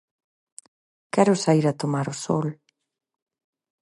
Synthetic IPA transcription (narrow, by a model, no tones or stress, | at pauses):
kɛɾʊsaiɾat̪omaɾʊsɔl